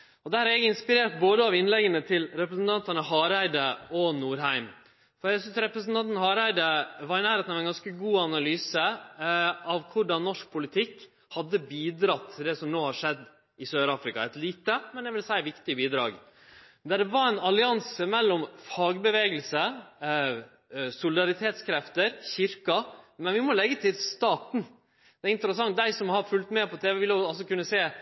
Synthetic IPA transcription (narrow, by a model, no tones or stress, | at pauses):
ɔd̪æːɾɛɡɪnspɪɾeːʈ̚boːd̪əɑʋɪnlɛɡːənət̪ʰɪlɾɛpɾəsn̩t̪ʰɑnt̪ɑnəɦɑːɾæɪd̪əɔnuːɾɦæɪm | fɔɾjæɡsʏnsɾɛpɾəsn̩t̪ɑnt̪nhɑːɾæɪd̪əʋɑɾɪnæːɾheːt̪nɑʋɛnɡɑnskəɡuːɑnɑlyːsə | ɑʋkʰʊɖɑnnːɔʂk̚pʰʊlɪt̪ʰɪkː | hɑd̪ːəbiːd̪ɾɑt̪ʰːɪld̪ɛsɔmnoːhɑʂɛd̪ː | ɪsøːɾɑːfɾɪkɑɛt̪liːt̪əmɛnjæʋɪlsæɪʋɪkt̪ɪəbiːd̪ɾɑ̰ːɡ | d̪æɖɛʋɑɾæɪnɑlɪɑnsəmɛlːɔmfɑɡbəʋeːɡəlsə | sʊlɪd̪ɑɾɪt̪ʰeːt̪skʰɾɛft̪əɾçɪɾkɑmɛnʋɪmɔlɛɡːət̪ʰɪlst̪ɑːt̪n̩ | d̪̥ɛæɪnt̪əɾəsɑŋt̪̚d̪æɪsɔmhɑɾfʉlt̪mɛːpʰɔt̪ʰeːʋɛʋɪlʊɑlsɔkʉnːəseː